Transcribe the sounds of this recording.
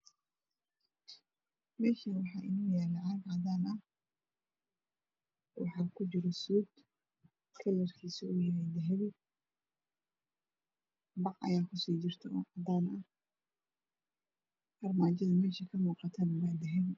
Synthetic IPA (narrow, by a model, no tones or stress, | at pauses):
mɛːʃiwɑħɑːʔɪnuːjɛːlɐʕɑɡʕɑd̪aːnɐ | wɑ̰ħɑːkʰʊt͡ʃɪɾɔsuːd̪ | kʰɐlɐrkʰiːsɐʊjɐɾɛjd̪ɛɦɛβɪ | bɑʕʔɐ̰jaːkʰʊsiːt͡ʃɪrt̪ʰɛɔʕɑd̪aːnɐ | hɐrmaːt͡ʃɐðɐmɛːʃikʰɐmuːqɑt̪ʰɐnwaːd̪ɛɦɛβɪ